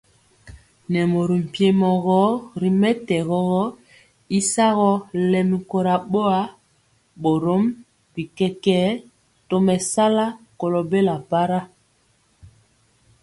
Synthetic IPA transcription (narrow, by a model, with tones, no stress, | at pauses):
nɛ˨mo˨ɾi˨m̩˨pje˨mɔ˨ɣɔ˦ɾi˨mɛ˦tɛ˨ɣɔ˦ɣɔ˦ | i˦sa˦ɣɔ˦lɛ˨mi˨ko˨ɾa˨ɓo˦a˦ | ɓo˨ɾo˦m | pi˨kɛ˦kɛ˦ | to˦mɛ˨sa˦la˦ko˨lo˨be˦la˨pa˦ɾa˦